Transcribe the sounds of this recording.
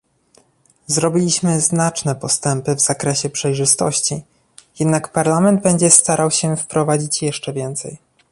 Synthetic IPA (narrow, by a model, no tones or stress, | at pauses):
zɾɔbʲilʲiɕmɘznat͡ʂnɛpɔst̪ɛmpɘvz̥akɾɛɕɛpʂɛjʐɘst̪ɔ̰ɕt͡ɕi | jɛd̪nakpaɾlamɛnd̪̚bɛɲd͡ʑɛst̪aɾʔawɕɛfpɾɔvad͡ʑit͡ɕjɛʂt͡ʂɛvʲjɛnt̪sɛ̰j